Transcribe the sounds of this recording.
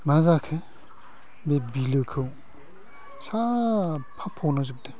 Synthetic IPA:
nazakʰe | bebilɯkʰɯw | sapʰapʰɔwnazɯp̚d̪e

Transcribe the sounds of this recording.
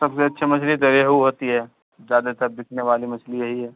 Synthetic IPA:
sɐbseɐtːʃʰemɐsʰlit̪ɐɾeɦuɦoːt̪iɦɛː | zjaːd̪at̪ɐɾd̪ɪkʰneʋaːlimɐslijɐɦiɦɛː

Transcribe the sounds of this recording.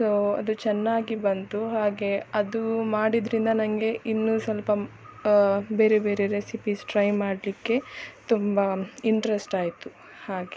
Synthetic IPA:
soːɐ̰d̪ut͡ʃɛnːaːɡibɐnt̪uɦaːɡe̞ɐd̪umaːɽid̪ɾind̪ɐnɐŋɡe̞ʔinːusɐlpɐ | be̞ːɾebe̞ːɾeɾesipisʈɾɐjmaːɽlikːe̞t̪umbɐiɳʈɾesʈaːjt̪u | haːɡe

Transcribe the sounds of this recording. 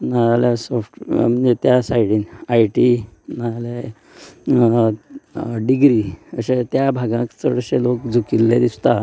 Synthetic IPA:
naɾaljasofʈm̤ənd͡zet̪jasaiɽinajʈinaɾale | ɖiɡɾiəɕet̪jabʱaɡãkt͡səɽɕelokd͡zʱukilːed̪ist̪a

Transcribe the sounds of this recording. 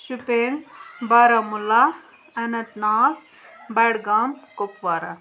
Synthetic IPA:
supeːnbaɾamulːa | ɐnɐt̪naːl | bɐɽɡaːmkopʋaːɾa

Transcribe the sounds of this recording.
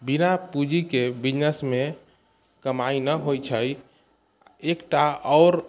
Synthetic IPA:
binapud͡ʒikebid͡ʒnəsme | kəmainəɦojt͡ʃʰəj | ekʈaɔʊɾ

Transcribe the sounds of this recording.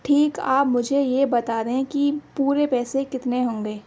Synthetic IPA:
ʈʰiːkaːpmʊd͡ʒʱejebɐt̪aːɾeɦɛ̃kipuːɾepɛːsekɪt̪neɦõːŋɡeː

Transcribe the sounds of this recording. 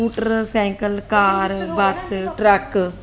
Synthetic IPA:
uːʈəɾsɛ̃ːŋkəlkaːɾbɐsʈɾɐk

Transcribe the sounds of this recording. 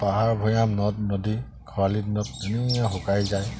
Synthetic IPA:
paɦaɹbʱɔjamnɔt̚nɔdi | kʰɔwalit̚nɔt̚ːeniɛjãxukajzaj

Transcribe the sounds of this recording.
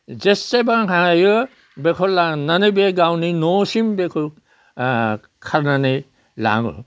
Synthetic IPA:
zesːebaŋɦajɯ | bekʰɔllːaŋnanɯjbeɡawninɔsimbekʰɔ | kʰaɾnanɯj | la̰ŋɯ̰

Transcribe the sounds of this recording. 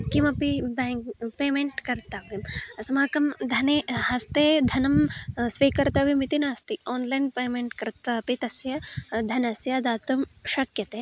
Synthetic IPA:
kimɐpibeːŋpeːmeɳʈkɐɾt̪aːʋimɐsɐmaːkɐmd̪ʱɐnehɐst̪eːd̪ʱɐnɐmsʋiːkɐɾt̪aʋimit̪inaːst̪ioːnlɐjnpeːmeɳʈkɐɾt̪ɐpit̪ɐsjɐd̪ʱɐnɐsjɐd̪aːt̪umʃɐkjɐt̪e

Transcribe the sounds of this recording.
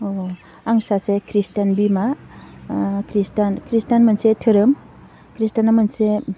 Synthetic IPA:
o | aŋsasekʰɾistanbima | kɾistankɾistanmɐnsetʰɯɾɯm | kɾistanːamanse

